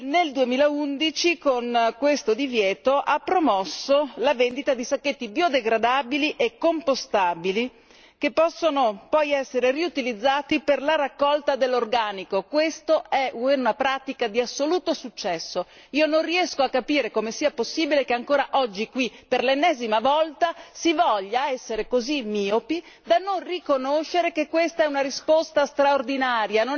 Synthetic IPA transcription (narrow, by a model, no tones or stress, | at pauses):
neld̪uemiːlaund̪it͡ʃikonkwest̪od̪ivjɛːt̪oʔapːɾomɔsːolavend̪it̪ad̪isakːet̪ːibjod̪eɡɾad̪aːbiliʔekːompost̪aːbili | k̟epːɔsːonopɔjɛsːeɾeriut̪ilid̪zːaːt̪iperlaɾakːɔlt̪ad̪elːorɡaːnikokwest̪oɛuunapɾaːt̪ikad̪iasːoluːt̪osut͡ʃːɛsːo | iːononriɛskoakːapiːɾekomesiːaposːiːbilekeaŋkoːɾaʔɔd͡ʒːikwiperlenːɛːzimavɔlt̪asivɔʎːaɛsːeɾekozimiːopi | d̪anonrikonoʃːeɾekekːwest̪aɛunaɾispost̪ast̪ɾaord̪inaːɾjano